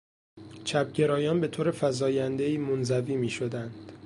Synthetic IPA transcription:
t͡ʃʰæb̚ɟe̞ɾɒːjɒːnbe̞t̪ʰoːɾe̞fæzɒːjænd̪e̞iːmonzæviːmiːʃo̞d̪ænd̪̥

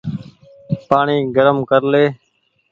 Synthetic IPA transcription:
paːɳiːɡəɾəmkəɾleː

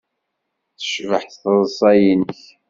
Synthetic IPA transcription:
θə̥ʃvəħθθðˤzˤɑjinəç

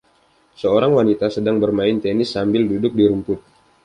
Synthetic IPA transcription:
səoɾaŋwanit̪asədaŋbərmaɪnt̪enɪsːambɪldudʊk̚diɾumpʊt̪̚

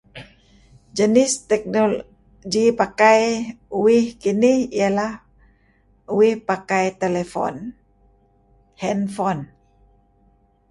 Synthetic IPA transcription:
d͡ʒənɪst̪ɛk̚nolo | ɡipakaj | uwɪhkinɪhialah | uwɪhpakajt̪elefɔ̰n | hɛnfɔn

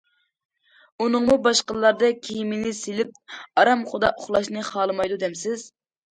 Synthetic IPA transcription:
unɨŋmubɑʃqəlˠːɑɾd̪ɑkʲʰejimɪnɪselɪp̚ɑɾɑmχʊd̪ɑʔoχlˠɑʃnɨχɑlˠɨmɑjd̪ud̪ɛmsɪz

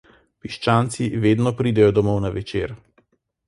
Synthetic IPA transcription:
piʃt͡ʃaːnt̪siʋeːd̪nɔpɾiːd̪ɛjɔd̪ɔmɔwnaʋɛt͡ʃeːɾ

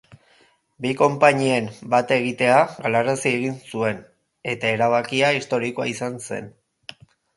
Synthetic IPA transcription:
biko̞mpaɲiembat̪e̞ɣ̞it̪e̞aɣalaɾasie̞ɣ̞insue̞n | e̞t̪ae̞ɾaβ̞akiaist̪o̞ɾikoaisanse̞̰n

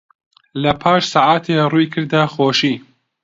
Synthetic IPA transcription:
lɐpʰaːʃsaʕaːt̪ʰerujkʰɨɾd̪ɐxoːʃiː

